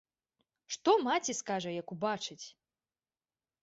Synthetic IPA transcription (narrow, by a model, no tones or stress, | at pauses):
ʂt̪ɔmat͡sʲiskaʐɐjɐkubat͡ʂɨt͡sʲ